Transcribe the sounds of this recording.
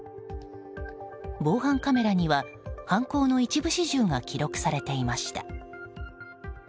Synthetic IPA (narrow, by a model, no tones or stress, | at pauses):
bo̞ːɦãŋkame̞ɾaɲ̟iβa | hãŋko̞ːno̞it͡ɕibɯ̟ɕiʑɨːŋakʲiɾo̞kɯ̟̥saɾe̞t̪e̞imaɕi̥t̪a̰